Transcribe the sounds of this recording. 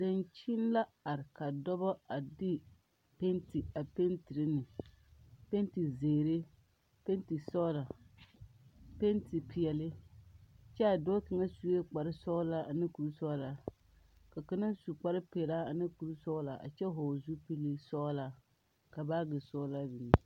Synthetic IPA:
dɪ˨nt͡ʃi˦n˦la˦a˨ɾɪ˨ka˨dɔ˦bɔ˦a˨dɪ˦ | pe˦nti˨a˨pe˦ntɪ˨ɾɪ˦nɪ˨ | pe˦nti˨zeː˨ɾe˦ | pe˦nti˨sɔ˦la˨ | pe˦nti˨pi˨ɛ˨lɪ˦ | t͡ʃɛ˦a˨dɔ˦kɪ˨ŋa˦su˨e˦k͡pa˨ɾɪ˦sɔ˦la˦a˨nɪ˦ku˨ɾu˦sɔ˦la˨ | ka˨ka˦na˦su˨k͡pa˦ɾɪ˦pɛ˨la˦a˨nɪ˦ku˨ɾu˦sɔ˦la˨ʔa̰˨t͡ʃɛ˦ɦoː˨zu˦pi˦li˦sɔ˦la˨ | ka˨baː˦ɡɪ˨sɔː˦la˦bi˨ni˨

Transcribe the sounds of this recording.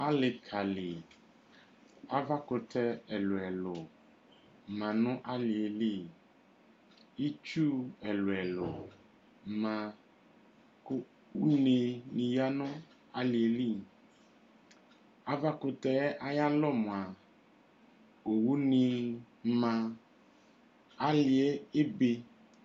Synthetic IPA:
a˦lɪ˨kʰa˨lɪ˨ | a˦va˦kʊ˧tɛ˦ɛ˨lʊ˨ɛ˨lʊ˨ | mã˨nʊ̃˦ʔa˦lɪ˨e˨li˦˨ | i˦t͡ʃu˦ɛ˨lʊ˨ɛ˨lʊ˨˦ | mã˧ | kʊ˦ | u˦ne˧nĩ˨ja˦nʊ̃˦ | a˦li˨e˨li˦˨ | a˨va˦kʊ˧t̪ɛ˦ʔa˨ja˦lɔ˦˨mʊ̃˨a˨ | o˨wu˦nĩ˧ | mã˧ | a˦li˨e˦e˦be˧

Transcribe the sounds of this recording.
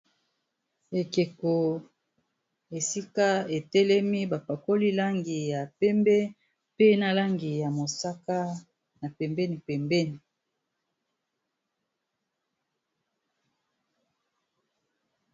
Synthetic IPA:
e˨ke˨ko˨ | e˨si˦ka˦e˨tɛ˦lɛ˦mi˦ba˨pa˨ko˦li˦la˦ŋɡi˨ja˨pɛ˦mbɛ˦ | pe˦na˦la˦ŋɡi˨ja˨mo˨sa˦ka˦ | na˨pɛ˨mbɛ˦ni˨pɛ˨mbɛ˦ni˨

